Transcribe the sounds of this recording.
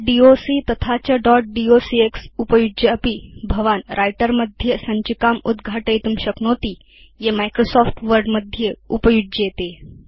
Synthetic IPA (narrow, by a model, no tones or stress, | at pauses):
ɖiosit̪ət̪ʰat͡ɕaɖɔʈ̚ɖiosieksupəjud͡ʑəəpiːbʱəʋanɾʔajʈəɾməd̪ʱjəsəɲt͡ɕikamud̪ɡʱaʈəjt̪umɕəknot̪iː | jemajkɾosɔfʈʋəɾɖməd̪ʱjəupəjud͡ʑet̪e